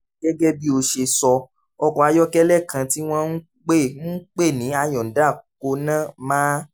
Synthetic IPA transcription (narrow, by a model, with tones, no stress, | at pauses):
ɡ̥ɛ˦ɡɛ˦bi˦o˧ʃe˧sɔ˧ | ɔ˧kɔ˧˨a˨˧jɔ˦kɛ˦lɛ˦˨kã˧ti˦w̃ɔ̃˦n̩˦ | k͡pe˦˨n̩˦k͡pe˦˨nĩ˨˦a˧jɔ̃˨n̩˨˦da˦˨ko˧nã˦˨mãː˦